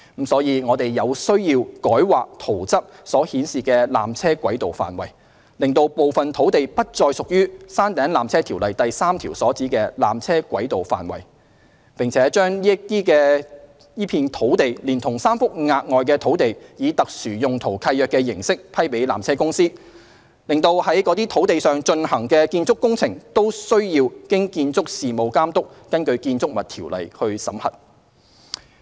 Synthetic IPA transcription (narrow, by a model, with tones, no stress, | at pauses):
m̩˨˥sɔː˨˥jiː˨˧ŋɔː˨˧t̪e˨jːɐ˨˧wsɵ˥ɥjiː˧wkɔː˨˥jwaː˨k̚t̪ʰo˨˩wt͡sɐ˥p̚sɔː˨˥hiː˨˥nsiː˨kɛː˧la̰ː˨mt͡sʰɛː˥kʷɐ˨˥jt̪o˨wfa̰ː˨˩nwɐ˨˩j | lɪ˨˩ŋt̪o˧wpo˨wfɐ˨nt̪ʰo˨˥wt̪e˨jpɐ˥t̚t͡sɔː˧jsʊ˨k̚jyː˥saː˥nt̪ɛː˨˥nlaː˨˩mt͡sʰɛː˥t̪ʰiː˨˩wlɐ˨jt̪ɐ˨jsaː˥mt̪ʰiː˨˩wsɔː˨˥t͡siː˨˥kɛː˧la̰ː˨mt͡sʰɛː˥kʷɐ˨˥jt̪o˨wfa̰ː˨nwɐ̰˨˩j | pɪ˨˩ŋt͡sʰɛː˨˦˥t͡ʃœː˥ŋjiː˥t̪iː˥kɛː˧ | jiː˥pʰiː˧nt̪ʰo˨˥wt̪e˨jliː˨˩nt̪ʰʊ˨˩ŋsaː˥mfʊ˥k̚ŋaː˧k̚ŋɔː˨˧jkɛː˧t̪ʰo˨˥wt̪e˨jjiː˨˧t̪ɐ˨k̚syː˨˩jʊ˨ŋt̪ʰo˨˩wkʰɐ˧jœː˨kːɛː˧jɪ˨˩ŋsɪ˥k̚pʰɐ˥jpe˨˥jla̰ː˨˩mt͡sʰɛː˥kʊ˥ŋsiː˥ | lɪ˨ŋt̪o˧whɐ˨˥jkɔː˨˧˥t̪iː˥t̪ʰo˨˥wt̪e˨jsœː˨ŋt͡ʃɵ˧nhɐ˨˩ŋkɛː˧kiː˧nt͡sʊ˥kːʊ˥ŋt͡sʰɪ˨˩ŋt̪o˥wsɵ˥ɥjiː˧wkɪ˥ŋkiː˧nt͡sʊ˥k̚siː˨mo˨˧wkaː˥mt̪ʊ˥k̚ːɐ˥nkɵ˧ɥkiː˧nt͡sʊ˥k̚mɐ˨t̪̚ʰiː˨˩wlɐ̰˨˩jhɵ˧ɥsɐ̰˨˥mhɐ̰˨t̚